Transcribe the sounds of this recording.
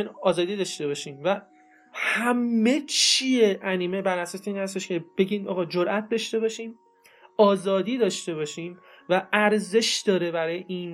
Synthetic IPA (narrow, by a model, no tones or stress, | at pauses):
nɒːzɒːd̪iːd̪ɒːʃt̪e̞βɒːʃiːmvæ | hæmːe̞t͡ʃʰieʔæniːmebæɾæsɒːseiːnhæst̪e̞ʃkʰe̞b̥e̞ɟiːnʔɒ̰ːɣɒːd͡ʒoɾʔæt̪̚d̪ɒʃt̪e̞bɒːʃiːm | ɒːzɒːd̪iːd̪ɒːʃt̪e̞βɒːʃiːmvæʔæɾze̞ʃd̪̥ɒːɾe̞bæɾɒːjeʔiːn